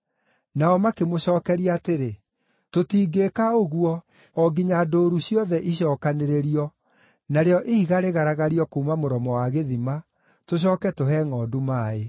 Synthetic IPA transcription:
naɔmakemoɕɔːkɛɾiaːteɾe | totiːɡekaoɣuɔ | ɔɡiɲadoːɾuɕiɔðɛʔiɕɔːkaneɾeɾiɔ | naɾeɔʔehiɣaɾeɣaɾaɣaɾiɔkoːmamoɾɔmɔwaɣeðima | toɕ̬ɔːkɛtoɦɛŋɔːdumaːe

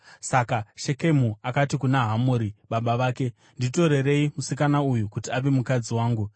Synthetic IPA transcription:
sakaʃe̞ke̞muakatikunaɦamoɾiɓaɓaʋaːke̞ | ndito̞ɾe̞re̞imusikanaujukutiaʋemukad͡ziwaːŋɡu

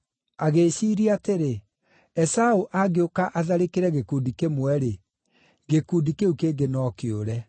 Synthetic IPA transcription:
aɣeːɕiːɾiateɾe | ɛsauʔaɡeokaʔaðaɾekeɾɛɣekuːdikemwɛɾe | ɣekudikeukeːɡenɔːkeoɾɛ

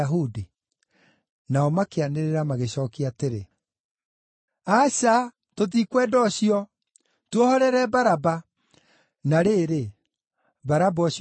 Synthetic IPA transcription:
ɦudi | naɔmakeaneɾeɾamaɣeɕɔːkiateɾe | aɕa | toðikwɛːdɔɕiɔ | twohɔɾɛɾɛbaɾaba | naɾeɾe | baɾabɔɕ

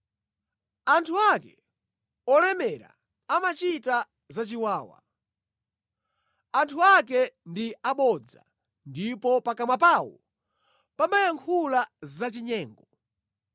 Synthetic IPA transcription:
antʰuakɛ | ɔlɛmɛɾa̰ | amat͡ʃita | zat͡ʃiwaːwa̰ | antʰuak̬ɛndiaɓɔd͡za̰ | ndipɔpakamap̬aːwɔ̰ | pamajaŋkʰulazat͡ʃiɲɛːŋɡɔ

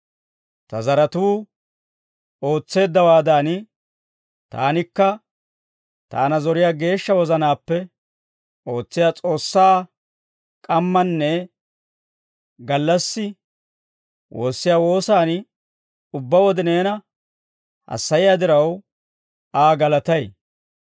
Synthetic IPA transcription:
t̪ɐzɐɾɐt̪uː | o̞ːt͡sːe̞ːd̪ːɐwaːd̪aːn | t̪a̰ːnɪkːɐ | t̪a̰ːnɐzɔɾɪjaːɡe̞ːʃːɐwɔzɐnaːpːɛ | o̞ːt͡sːɪjaːt͡sʼo̞ːsːaː | kʼɐmːɐnːɛ | ɡɐlːɐsːɪ | wʔo̞ːsːɪjaːwo̞ːsaːn | ʊbːɐwɔd̪ɪne̞ːnɐ | hɐ̰sːɐjɪjaːd̪ɪɾɐw | aːɡɐlɐt̪ɐj

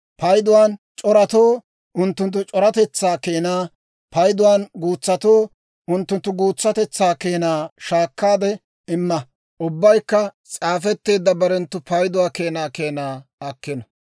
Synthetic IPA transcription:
pɐjd̪ʊwaːn | t͡ʃʼɔɾɐt̪oː | ʔʊnt̪ːʊnt̪̬ːʊt͡ʃʼɔɾɐt̪ɛt͡sːaːkeːnaː | pɐjd̪ʊwaːnɡuːt͡sːɐt̪oː | ʊnt̪ːʊnt̪ːʊɡuːt͡sːɐt̪ɛt͡sːaːkeːnaːʃaːkːaːd̪ɛ | ɪmːɐ | ʔʊbːɐjkːɐt͡sʼaːfɛt̪ːe̞ːd̪ːɐbɐɾɛnt̪ːʊpɐjd̪ʊwaːke̞ːnaːkeːnaːɐkːɛnɐ

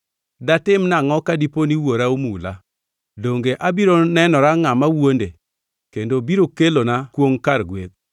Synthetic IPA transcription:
datɪmnaŋɔkadiponiwoɾaomula̰ | doŋɡeʔabiɾonɛnɔɾaŋamawonde | kendobiɾokelonakwoŋkaɾɡwḛt̪̚

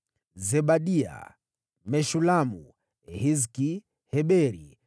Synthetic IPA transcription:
zɛbaɗia̰ | mɛʃulamṵ | hizki | hɛɓɛɾḭ

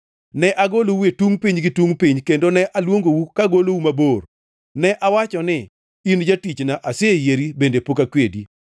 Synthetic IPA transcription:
nɛʔaɡolowuetuŋpiɲɡɪtwuŋpiɲkendonɛʔalwoŋɡowukaɡolowumabor | nɛʔawat͡ʃɔnɪ | ind͡ʒatit͡ʃnaʔasejeɾibendepokakwedḭ

